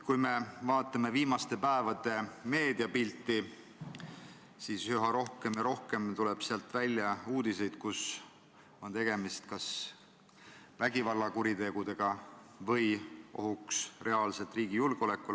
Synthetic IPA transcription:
kujme̞vɑːt̪ːˑɑme̞viːmɑst̪e̞pæevɑd̪e̞me̞ːd̪̥iɑpilʲt̪ːˑi | siːshyɦɑɾo̞hke̞mjɑɾo̞hke̞mt̪uleb̥seɑlt̪ːvælʲːjɑuːd̪̥ise̞jd̪̥̚kus | o̞nt̪e̞ɡ̥e̞mist̪kɑs | væɡivɑlːɑkuɾit̪e̞ɡ̥ud̪e̞ɡ̥ɑ | vɤjʔo̞̰ɦuksre̞ɑːlse̞lt̪ːˑriːɡ̥ijulɡ̥eo̞le̞kːˑul

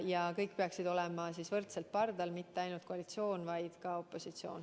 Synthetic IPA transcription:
jɑkɤjk̚ːpeɑksid̪o̞lɛmɑsiːsvɤrt̪selt̪̚pɑrd̪ɑlmit̪ːeɑjnult̪̚koɑlit̪sio̞ːnvɑjd̪̥kɑo̞pːˑo̞sit̪sio̞̰ːn

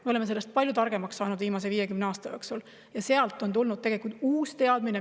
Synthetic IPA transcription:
meole̞mːeele̞st̪̚pɑlʲjut̪ɑrɡ̥e̞mɑksːɑːnud̪viːmɑs̬e̞viːje̞kymneɑːst̪ɑjoːksul | jɑseɑlt̪ːˑo̞nt̪ulnud̪̚t̪eɡe̞likult̪uːst̪e̞ɑd̪̥mine

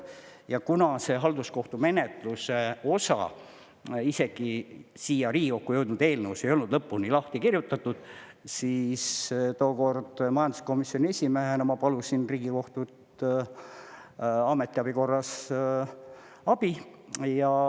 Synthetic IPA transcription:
jɑkunɑse̞ɦɑld̪̥usko̞ht̪ume̞ne̞t̪luse̞o̞sɑ̰ | ise̞ɡ̥isiːjɑɾiːɡio̞kːujewd̪nud̪e̞ːlneuse̞jo̞lnud̪̥lɤpːuniːlɑht̪ikirjut̪ːˑɑt̪ːˑud̪̥siːst̪oːko̞rd̪̥mɑjɑnd̪usko̞misːionʲiesʲimeɦenɑmɑpɑlusinriːɡ̥iko̞ht̪ut̪ | ɑme̞t̪ˑːiɑbiko̞rːɑs | ɑb̥ijɑ

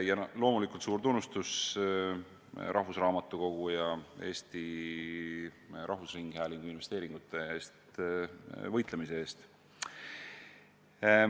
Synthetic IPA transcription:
jɑlo̞ːmulikult̪suːɾt̪unːust̪us | ɾʔɑɦvusrɑːmɑt̪ːˑuko̞ɡ̥ujɑe̞ːst̪i | ɾʔɑɦvusriŋɡ̥hæːliŋɡ̥uinve̞st̪e̞ːɾiŋɡ̥ut̪ːˑe̞eːst̪ | vɤjt̪le̞mise̞e̞ːst̪

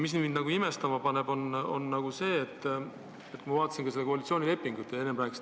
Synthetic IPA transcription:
mis̬nind̪nɑɡuime̞st̪ɑmɑpɑne̞b̥o̞no̞̰nːɑɡuse̞ːt̪ːˑ | et̪kuimɑvɑːt̪ːˑɑsinkɑse̞lːekoɑlit̪sioːnʲile̞pːiŋɡ̥ut̪ːˑjɑenːemræːks

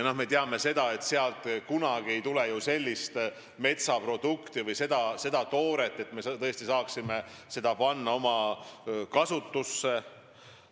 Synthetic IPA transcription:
no̞hme̞t̪eɑme̞se̞d̪̥ɑe̞t̪seɑlt̪ˑkunɑɡ̥ie̞jt̪ule̞juse̞lʲːist̪ | me̞t̪sɑpro̞d̪̥ukt̪ivɯjse̞d̪ɑse̞d̪̥ɑt̪o̞ːɾe̞t̪ːˑe̞t̪met̪ɤest̪isɑːksime̞se̞d̪̥ɑpɑnːɑo̞mɑ | kɑsut̪ːusːe̞

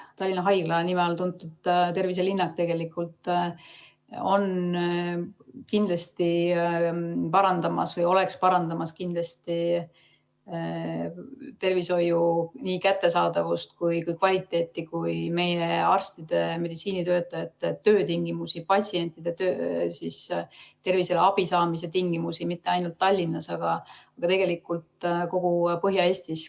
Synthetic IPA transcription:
t̪ɑlːinɑɦɑjɡ̥lɑnimelt̪unt̪ːˑut̪ːt̪e̞rvis̬elinːɑk̚t̪eɡe̞likːˑult̪ˑ | o̞n | kind̪lɑst̪i | pɑɾɑnd̪̥ɑmɑ̰svɤjo̞le̞kspɑɾɑnd̪ɑmɑskind̪lɑst̪i | t̪e̞rviso̞juniːkæt̪ːe̞sɑːd̪̥ɑvust̪kujkujkvɑlʲit̪ːˑe̞ːt̪ːˑikujme̞jeɑrst̪id̪̥e̞me̞d̪it̪siːnit̪øːt̪ːˑɑet̪ːetːøːt̪iŋɡ̥imusipɑtsie̞nʲt̪ˑid̪̥e̞t̪øːsist̪e̞rvise̞leɑb̥isɑːmis̬e̞t̪iŋɡ̥imusimit̪ːe̞ɑjnult̪ːɑlʲːinːɑsɑɡ̥ɑɑɡ̥ɑt̪e̞ɡ̥e̞likːˑult̪ko̞ɡ̥upɤɦjɑe̞ːsʲt̪is

